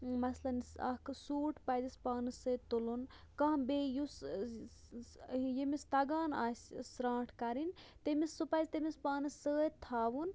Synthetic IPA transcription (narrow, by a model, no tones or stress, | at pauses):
mɐslɐnsa̰ksuːʈʰpɐzispaːnɨsət̪ulun | kãɦbejus | jemist̪ɐɡaːnaːsʲsɾãːʈʰkɐɾint̪emisːupazʲt̪emispaːnɨsəːt̪ʰaːʋun